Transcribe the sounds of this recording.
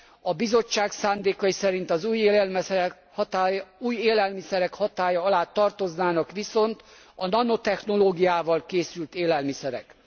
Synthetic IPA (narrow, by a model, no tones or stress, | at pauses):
ɒbizo̞t͡ʃːaːksaːnd̪eːkɒjisɛɾint̪ɒzuːj | uːjeːlɛlmisɛɾɛkhɒt̪aːjɒɒlaːt̪ːɒrt̪o̞znaːnɒkʋiso̞nt̪ | ɒnɒno̞t̪ɛxno̞loːɡijaːvɒlkeːsylt̪eːlɛlmisɛɾɛ̰k